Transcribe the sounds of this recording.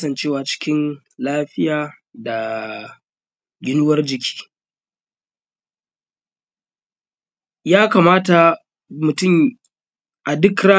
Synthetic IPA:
sɐ˨nt͡ʃeː˦waː˨t͡ʃɪ̥˦kʲɪ˦n | laː˦ɸɪ˦jaː˨da˨ | ɡʲɪ˦nʊ˦wɐ˦rd͡ʒɪ˨kʲi̥ː˦ | jaː˦kaː˨maː˦ta˨ | mʊ˨tʊ˦˨m | ʔa˨dɪ˦kɾa˦

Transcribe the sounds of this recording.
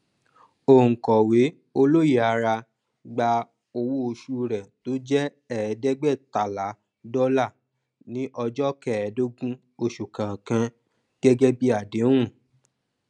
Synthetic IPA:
o˨ŋ̩˨kɔ˨we˨˦ | o˧lo˦je˨a˧ɾa˧ | ɡ͡ba˧ | o˧wo˦o˧ʃu˧ɾɛ˨to˨˦d͡ʒɛ˦ | ɛ˦˨˦dɛ˦ɡ͡bɛ˦˨ta˨la˨˦ | dɔ˦la˦˨ | nĩ˨˦ʔɔ˧d͡ʒɔ˦kɛ˦˨ɛ˨˦do˦ɡũ˦ | o˧ʃu˨kã˨kã˧ | ɡ̥ɛ˦ɡɛ˦bi˦a˨dẽ˨˦ũ˦˨

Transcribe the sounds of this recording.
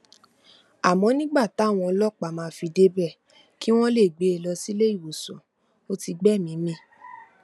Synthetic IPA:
a˨mɔ̃˨˧˦nĩ˦ɡ͡ba˦˨ta˨˦˨w̃ɔ̃˧ɔ˧lɔ˦˨k͡pa˨mãː˨˦fi˧de˦bɛ˦˨ | ki˦w̃ɔ̃˦le˦˨ɡ͡be˨˦e˧lɔ˧si˦le˦i˦˨wo˨sɔ̃˨ | o˦ti˧ɡ͡bɛ˦˨mĩ˨˦mĩ˦

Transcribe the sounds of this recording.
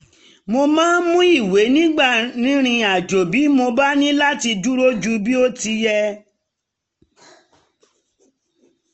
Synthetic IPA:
mo˧mãː˦mũ˦i˦˨we˨˦nĩ˦ɡ͡ba˦˨nĩ˨˦ɾ̃ĩ˧a˨d͡ʒo˨bi˨˦mo˧ba˦nĩ˦la˦ti˧du˦ɾo˦d͡ʒu˧bi˦o˦ti˧jɛ˧

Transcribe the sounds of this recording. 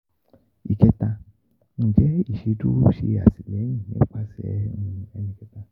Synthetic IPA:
i˨kʰɛ˦ta˦˧ | ŋ̩˨d͡ʒɛ˦i˨ʃi˦tu˦ʃi˦˨ja̰˨si˨lɛ˦ɲi˨ɛ̰˦pʰa˦sɛ̰˨a˨˦ɲi˨kɛ˦ta˨

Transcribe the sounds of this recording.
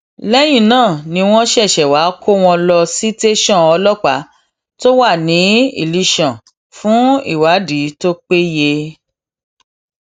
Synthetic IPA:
lɛ˦j̃ĩ˦˨nãː˦˨nĩ˧w̃ɔ̃˦ʃɛ˦˨ʃɛ˨wa˨˦kʰo˦w̃ɔ̃˧lɔ˧si˦te˦ʃɔ̃˦˨ɔ˧lɔ˦k͡pa˨˦ | to˦wa˦˨nĩ˨˦ḭ˦˨li˧˦ʃã˨ | fũ˦ḭ˦˨wa˨˦di˨˦to˦k͡pe˦je˧

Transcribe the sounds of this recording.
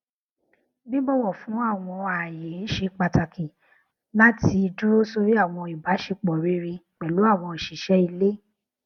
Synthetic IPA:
bi˦bɔ˦˨wɔ˦˨fũ˨˦a˦˨w̃ɔ̃˧a˨je˨˦n̩˦ʃe˧k͡pa˨ta˨kʰi˨ | la˦ti˧d͡ʒu˦ɾo˦so˧ɾi˦a˦˨w̃ɔ̃˧i˨ba˨˦ʃe˧k͡pɔ˨ɾe˦ɾi˧k͡pɛ˨lu˨˦a˦˨w̃ɔ̃˧i˨ʃi˨ʃɛ˦i˧le˦

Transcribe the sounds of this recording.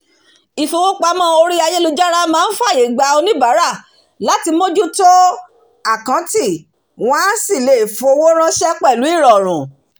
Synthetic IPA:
i˨fo˧wo˦k͡pa˨˦mã˦o˧ɾi˦a˧je˦lu˧d͡ʒa˦ɾ̃a˦mãː˦n̩˦fa˦˨je˨˦˨ɡ͡ba˧˦o˧nĩ˦ba˨˦ɾa˦˨ | la˨˦ti˧mo˦d͡ʒu˦to˦ | a˦˨kã˨˦ti˦˨ | w̃ɔ̃˦si˦˨le˨fo˧o˧wo˦ɾ̃ã˦ʃɛ˦k͡pɛ˦˨lu˨˦i˦˨ɾɔ˨ɾ̃ũ˨

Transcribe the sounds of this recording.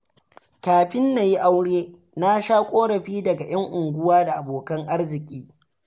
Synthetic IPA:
kaː˨ɸɪ˦nːa˨ji˦ʔa˦wɽeː˦ | na˦ʃaː˦kʷʼoː˦ɽɐ˨ɸiː˦dɐ˨ɡa˨j̰ɐ˦ŋʔʊ˨ŋɡʷʊ˦waː˦da˨ʔa˨boː˨kɐ˦ŋʔa˦rzɪ˨kʲʼiː˦

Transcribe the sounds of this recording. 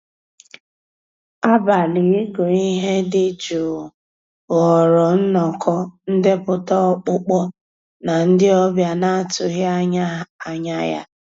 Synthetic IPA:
a˦ba˨li˨˦ɡʊ˨i˦ɦe˦dɪ˦d͡ʒu˨ | ɔ˨ɾɔ˨n̩˦nɔ˨kʰɔ˦n̩˦dɪ˦pʊ˨tɔ˦k͡pʊ˦k͡pɔ˦ | na˨n̩˦dɪ˦ɔ˦bja˦na˦a˦tʊ˨ɦɪ˦a˨ɲa˦ja̰˦

